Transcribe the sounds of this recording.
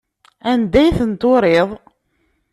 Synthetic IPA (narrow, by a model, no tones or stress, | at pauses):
ænd̪æjθənt̪oɾeðˤ